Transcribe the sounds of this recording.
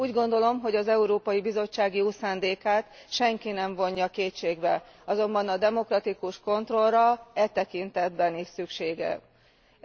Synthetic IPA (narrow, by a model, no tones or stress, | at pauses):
uːɟɡo̞nd̪o̞lo̞mɦo̞ɟɒzɛuɾoːpɒjibizo̞t͡ʃːaːɡjoːsaːnd̪eːkaːt̪ʃɛŋkinɛɱvo̞ɲːɒkeːt͡ʃeːɡbɛɒzo̞mbɒnɒd̪ɛmo̞krɒt̪ikuʃko̞nt̪ro̞lrɒɛt̪ɛkint̪ɛd̪bɛniʃsykʃeːɡɛ̰